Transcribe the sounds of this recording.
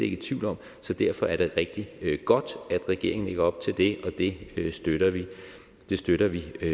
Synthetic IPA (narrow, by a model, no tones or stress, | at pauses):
e̝ɡ̥ət͡sʰʋiʊ̰lɒ̽m̰ | sɒ̽d̥æɐfɒ̽æɐɾ̥e̝ʁɛɡ̥̚d̥iɡ̥ɒ̽d̥æd̥ʁɛɡ̥e̝ɐeŋn̩e̝ɡ̥ɐɒ̽b̥̚t͡sʰe̝ld̥e̝ʔɒ̽d̥e̝sd̥øɾɐʋi | d̥e̝sd̥øɾɐʋi